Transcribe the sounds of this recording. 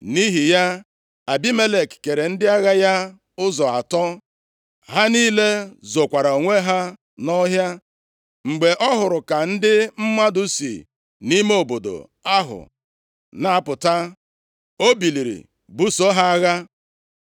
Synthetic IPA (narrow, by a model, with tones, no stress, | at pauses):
ni˦ɦi˨ja˦ | a˨bi˦me˦le˨kke˨ɾe˨n̩˦dɪ˦a˦ɣa˦ja˦ | ʊ˦zɔ˨a̰˨tɔ˦ | ɦa˦niː˦le˦zo˨kʷa˨ɾa˨o˨ŋʷe˦ɦa˦ | nɔ˦ɦja˦ | ŋ͡m̩˨ɡ͡be˨ʔɔ˦ɦʊ˨ɾʊ˨ka˨n̩˦dɪ˦m̩˦ma˦dʊ˦sḭ˨ | ni˦me˦o˨bo˨do̰˨ | a˦ɦʊ̰˨ | na˨a˦˨pʊ˨ta˦ | o˦bi˨li˨ɾḭ˨ | bu˦so˦ɦa˦a˦ɣa˦